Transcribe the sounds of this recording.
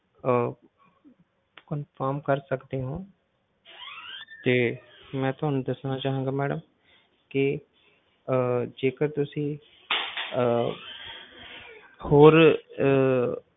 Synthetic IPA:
kənpʰaːɾmkəɾsəkd̪eːɦõː | t̪eːmɛ̃ːt̪ʊɦaːnũd̪əsnaːt͡ʃaːɦãːɡaːmɛːɖəm | kɪ | d͡ʒeːkəɾt̪ʊsĩː | hoːɾ

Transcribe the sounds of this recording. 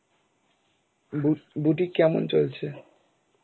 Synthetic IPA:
buʈ̬ikɛmo̰nt͡ɕolt͡ɕʰe

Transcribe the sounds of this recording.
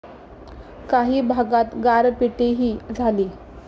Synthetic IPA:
kaɦiːbʱaɡat̪ɡaɾpiʈeɦiːd͡zʱaliː

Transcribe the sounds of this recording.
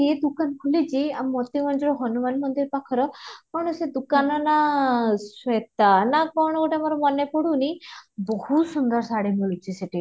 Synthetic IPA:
ed̪ukankʰulid͡ʒiammɔt̪imɔnd͡ʒɔɾɔɦɔnumanmɔnd̪iɾpakʰɔɾɔkɔɾɳ̃ɔsed̪ukanɔnaset̪anakɔɾɳ̃ɔɡoʈiamɔɾɔmɔnepɔɽunibɔhusɔnd̪aɾsaɽiɦuut͡ʃʰiseʈi

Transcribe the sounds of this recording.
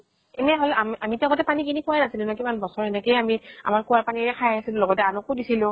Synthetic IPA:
ɛnɛɦolɛamamitɛɔɡɔtɛpanik̬inikʰʊwajnasilʊ̃nɔkimanbɔsɔɹɛnɛkejamia̰maɹkuwaɹpaniɹɛkʰajasilʊlɔɡɔtɛanʊkʊdisilʊ̃

